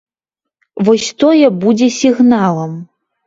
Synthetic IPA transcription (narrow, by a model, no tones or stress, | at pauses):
vɔsʲt̪ɔjɛbud͡zʲɛsʲiɣnalˠɐm